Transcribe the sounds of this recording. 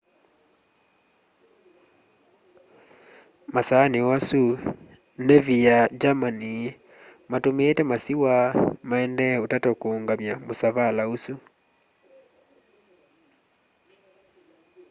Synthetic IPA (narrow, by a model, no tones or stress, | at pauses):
masaːneasu | nɛvijad͡ʒamani | matomeːtɛmasiwamaɛndɛotatɔkoːŋɡamjamosaβalausu